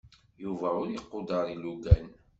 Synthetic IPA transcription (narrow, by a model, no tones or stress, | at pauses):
juvæʊɾjiqːod̪əɾˤiluɡæn